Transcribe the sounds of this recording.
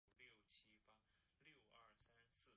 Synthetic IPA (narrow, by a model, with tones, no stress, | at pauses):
ljo˥˩ʊt͡ɕʰi˥pa˥ | ljo˥˩ʊʔɐ˞˥˩sa˥nsɹ̩˥˩